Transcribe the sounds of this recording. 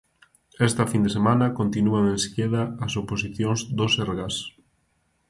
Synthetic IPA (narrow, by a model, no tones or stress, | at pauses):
ɛst̪ɐfind̪esemãnɐkont̪inuɐaŋẽnse̥keðɐːsoposiθjoŋzd̪oseɾɣas